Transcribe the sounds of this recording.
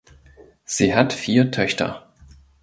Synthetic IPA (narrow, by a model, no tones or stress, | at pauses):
z̥iːɦatfiːɐtʰœçtʰɐ̰